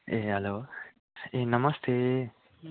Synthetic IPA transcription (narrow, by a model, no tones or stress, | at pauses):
eːɦɛloː | enɐməst̪ʰeː